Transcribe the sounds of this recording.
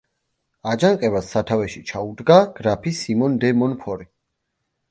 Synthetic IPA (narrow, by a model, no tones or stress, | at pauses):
ad͡ʒaŋqʼɛbasːat̪ʰavɛʃit͡ʃʰaud̪ɡaɡ̥ɾapʰisimɔnd̪ɛmɔnpʰɔɾi